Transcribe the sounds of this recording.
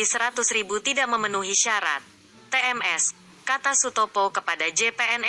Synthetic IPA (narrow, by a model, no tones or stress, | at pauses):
isəɾat̪ʊsɾibut̪idaʔməmənuɦiʃaɾa̰t̪̚ː | eɛmɛs | kat̪asut̪opokəpadad͡ʒepeɛn